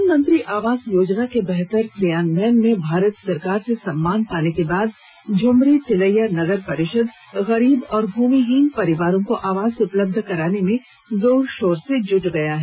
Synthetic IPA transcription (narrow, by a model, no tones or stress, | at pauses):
nmɐ̃nt̪ɾiʔaːʋaːzjoːd͡ʒnakebɛɦt̪əɾsijaːnbɛːnmẽbʱaːɾət̪sɐɾkaːɾsesɐmːaːnpaːnekebaːd̪̚ | d͡ʒʊmɾit̪ʰɪləjanɐɡəɾpɐɾɪʃəd̪ | ɣɐɾiːbɔːɾbʱuːmiɦiːnpɐɾɪʋaːɾõkoʔaːʋaːzeʊpləb̚d̪ʱkɐɾaːnemẽ | zoːɾʃoːɾsed͡ʒʊd͡ʒɡɐjaɦɛ